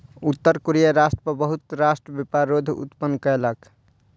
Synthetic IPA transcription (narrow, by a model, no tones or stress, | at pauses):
ut̪ːəɾkoɾijaɾasʈəpəbəɦut̪ɾasʈɾəbepaɾod̪ʱṵt̪pənkəelək